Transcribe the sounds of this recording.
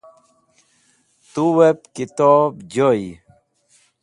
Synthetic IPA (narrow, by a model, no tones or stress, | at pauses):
t̪uwep̚kit̪ɔbd͡ʑoi